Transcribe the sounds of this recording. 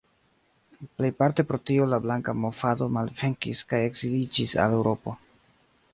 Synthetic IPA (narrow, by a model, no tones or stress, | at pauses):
ple̞jpaɾte̞pɾo̞tio̞lablaŋkamo̞fado̞malveŋkḭskaje̞ɡz̥ilid͡ʒisa̰le̞wɾʔo̞po̞